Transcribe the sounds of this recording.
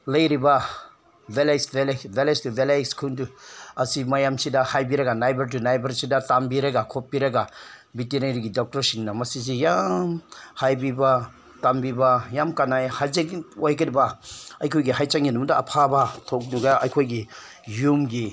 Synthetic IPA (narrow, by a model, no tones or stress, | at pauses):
lɐjɾiba | belasbelbelestubelajskʰunduasimajamsidahajbiɾaɡanajbɐɾt̬unajbɐɾsidatambiɾaɡakʰop̚ːiɾaɡabitinajɾiɡidɔk̚tɐɾsinːamasizijamhajbiba | tambibajamkanajhazekojkiɾibaɐjkʰojɡihɦajt͡ʃaŋinumda̰ːpʰabatʰok̚nuɡaʔa̰jkʰojɡi | jumɡi